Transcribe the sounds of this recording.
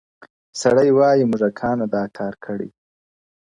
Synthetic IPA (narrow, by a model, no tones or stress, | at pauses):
saɽəjwɑjimʊʐakʰɑːnad̪ɑkʰɑːɾkʰəɽḭ